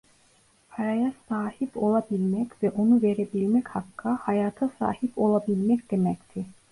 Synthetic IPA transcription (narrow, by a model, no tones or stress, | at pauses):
pʰaɾajasaːhipʰo̞lˠabilʲmɛcvɛʔonuveɾebilʲmɛchakʰːahajaːt̪ʰasa̰ːhipo̞lˠabilʲmɛcd̪̥emɛct̪ʰɪ